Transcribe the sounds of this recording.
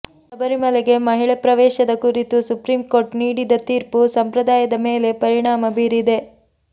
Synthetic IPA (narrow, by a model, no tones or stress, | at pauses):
ɐbɐɾimɐleɡe̞mɐɦiɭepɾɐʋɛːʃɐd̪ɐkuɾit̪usupɾiːmkoːɾʈniːɽid̪ɐt̪iːɾpusɐmpɾɐd̪aːjɐd̪ɐmeːle̞pɐɾiɳaːmɐbiːɾid̪e̞